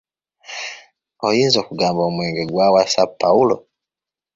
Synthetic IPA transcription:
ɔjinzɔkuɡaːmbaumwɛŋɡɛɡwawasapaulɔ̰

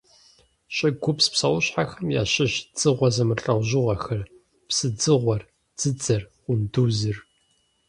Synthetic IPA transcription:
ɕʼɐɡʷʊpspsɐwʊɕħaxɐmja̰ːɕɪɕd͡zʼɨʁʷɐzɐmɨrɬʼɐwʷʑɪʁʷɐxɐr | psɨd͡zɨʁʷɔr | d͡z̥ɨd͡zɐrqʷʊnduːzɨr

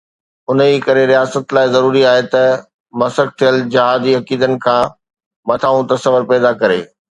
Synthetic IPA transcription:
ʊniːkɐɾeɾijaːsət̪laːɪzɐɾuːɾiaːɦet̪ɐ | mɐsək̚t̪ʰijəld͡ʑɐɦaːd̪iɐkiːd̪ənɪ̆kʰãː | mɐt̪ʰaːũt̪ɐsəʋəɾpɛːd̪akɐɾḛː

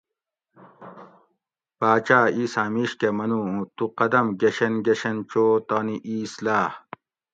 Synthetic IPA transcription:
paːt͡ɕaːiːsaːmiːɕkemɐnuːũt̪uqɐd̪ɐmɡeɕenɡeɕent͡ɕoːt̪aːniʔiːslaːh

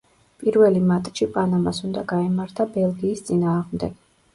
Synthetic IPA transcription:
pʼiɾvɛlimat̪ʼʃipʼanamasund̪aɡaimaɾt̪ʰabɛlˠɡiːst̪sʼinaːʁmd̪ɛɡ̥

